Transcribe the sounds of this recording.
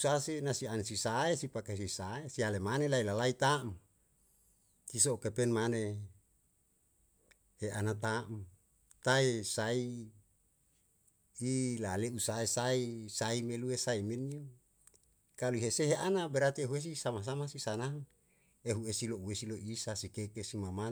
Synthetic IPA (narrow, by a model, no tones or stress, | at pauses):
usasenasiansisaesipakaesisaesialemanelailalait̪aʔm | isookepenmane | heʔanat̪aʔm | t̪aesai | laleusaesaisaimeluesaimeniu | kaluiɦeseɦeʔanabeɾat̪ieɦues̬isamas̬amasisanaŋ | eɦuesilouesiloʔisasikekesimama